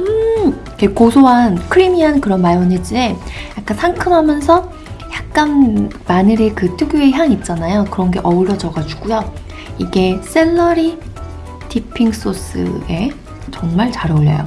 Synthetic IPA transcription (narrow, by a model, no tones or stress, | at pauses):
ɯikʰekosʰoɦankʰɯɾimiɦankɯɾʌnmajoned͡ʑie̞jak͈ansʰaŋkʰɯmɦamjʌnsʰʌ | çjak̚k͈anmanɯɾekɯtʰuɡjue̞çjaŋip̚t͡ɕ͈anajokɯɾʌnɡe̞ʔʌuɾjʌd͡ʑʌɡad͡ʑuɡ̥ujo | iɡe̞s͈e̞ɭːʌɾi | tʰipʰiŋs͈os͈ɯ̰e̞ | t͡ɕʌŋmaɭt͡ɕaɾʌʎːʌ̰jo̰